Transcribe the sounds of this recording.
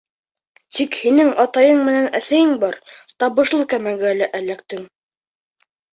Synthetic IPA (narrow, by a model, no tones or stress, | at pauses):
t̪ikhinɘŋɑt̪ɑjɤɴmɘ̆nænæsæjɘŋbɑɾt̪ɑβɤ̆ʃlˠɤkæmæɡæælæʔælːækt̪ɘŋ